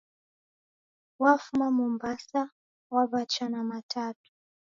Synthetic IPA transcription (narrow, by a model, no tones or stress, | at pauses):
wafumamɔmbasa | waɓat͡ʃanamatʰatu̥